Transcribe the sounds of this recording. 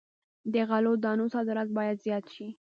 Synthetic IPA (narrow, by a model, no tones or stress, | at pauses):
d̪əɣalod̪ɑnosɑd̪ɪɾɑt̪̚bɑjad̪zjɑt̪ʃi